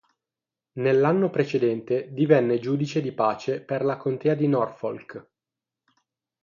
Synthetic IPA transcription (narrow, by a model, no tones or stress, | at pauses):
nelːanːopɾet͡ʃed̪ɛnt̪ed̪ivɛnːed͡ʒuːd̪it͡ʃed̪ipaːt͡ʃeperlakont̪eːad̪inɔrfolk